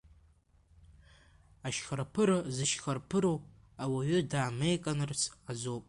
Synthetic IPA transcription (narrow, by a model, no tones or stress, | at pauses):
aʃχarpʰɨɾɨzɨʃχarpʰɨɾo | awaɥʏdaːme̞jkʼanɨrt͡sʰazowpʼ